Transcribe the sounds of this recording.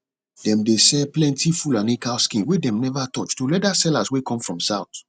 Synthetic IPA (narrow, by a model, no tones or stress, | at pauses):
dɛ̃mdesɛplɛ̃ntifulanĩkalskĩnwedɛ̃mnɛvatɔt͡ʃtulɛdasɛlaswekʰɔ̃mfɹɔ̃msaʊt